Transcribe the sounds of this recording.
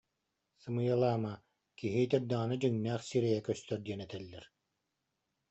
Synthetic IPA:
sɯmɯjalˠaːma | kiɦit̪ɛɾ̚d̪aːnɯd͡ʑɯŋnæːχsiɾɛjɛkœst̪œɾd̪iɛnɛt̪ɛlːɛɾ

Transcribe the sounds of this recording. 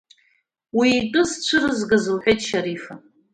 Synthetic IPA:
wiːtʼɨzt͡ɕʷʰɨrɨzɡazɨlħʷᶣejtʼʃaɾifa

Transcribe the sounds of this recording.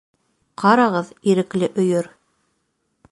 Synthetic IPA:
qʰɑɾɑʁɤðiɾɘ̆klɘʔɵ̆jɵɾ

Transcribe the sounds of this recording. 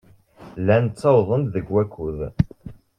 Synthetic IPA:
lænt͡sːɑwðˤənd̪ðəɡwækːuð

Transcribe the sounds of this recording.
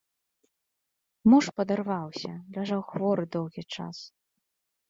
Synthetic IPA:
muʂpɐd̪arvawsʲɐ̰lʲaʐawxvɔɾɨd̪ɔwɣʲit͡ʂa̰s

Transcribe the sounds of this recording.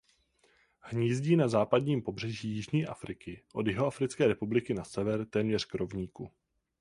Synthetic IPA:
hɲiːzɟiːnazaːpadɲiːmpo̞br̝ɛʒiːjɪʒɲiːʔa̰fɾɪkɪʔo̞djɪɦo̞afɾɪt͡skɛːɾɛpublɪkɪnasɛvɛɾt̪ɛːmɲɛr̝kɾo̞vɲiːku

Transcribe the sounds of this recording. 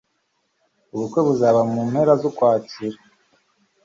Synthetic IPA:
uβukwe̞βuzaβamumhe̞ɾazokwaːciɾa

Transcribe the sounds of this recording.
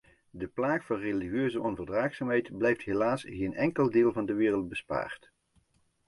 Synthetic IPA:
dəplaːkfɑnreliiøːzəʔɔnvərdraːxsaːmɦɛjtblɛjftɦelaːsɣeːnʔɛŋkəlˠdɪːlˠvɑndəʋɪːrəlˠd̚bəspa̰ːrt

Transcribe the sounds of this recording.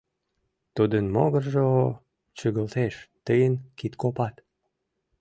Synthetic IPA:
t̪ud̪ənmo̰ɣərʒo | t͡ɕəɣəlt̪eʃt̪əjənkit̪kopɑt̪

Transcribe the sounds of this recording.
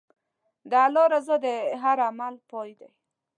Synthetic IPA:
d̪aaloɾazəd̪əɦaɾamalpojd̪aj

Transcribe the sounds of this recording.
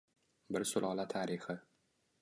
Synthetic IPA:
bɪɾsʊlʔɒlat̪ʰaɾɪχɪ

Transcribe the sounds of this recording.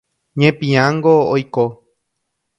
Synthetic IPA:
ɲẽpĩãŋɡoojko

